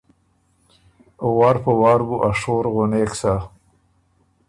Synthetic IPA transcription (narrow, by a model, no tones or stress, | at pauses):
ʊwɑːɾpəwɑːɾbuʔaʂoɾɣʊneksa